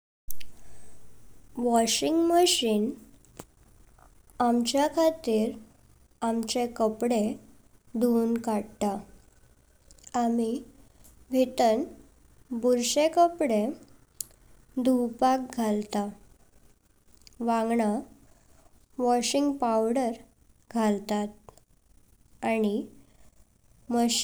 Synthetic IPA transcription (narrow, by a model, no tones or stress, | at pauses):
ʋɔɕiŋɡməɕiːn | amt͡ɕjakʰat̪iːɾ | amt͡ɕekəpɽe | d̪ʱunkaɽt̪a | ami | ʋʱit̪ən | buɾɕekəpɽe | d̪uwpak̚ɡʱalt̪a | ʋãŋɡɳa | ʋɔɕiŋɡpawɽəɾ | ɡʱalt̪at̪̚ | añi | mə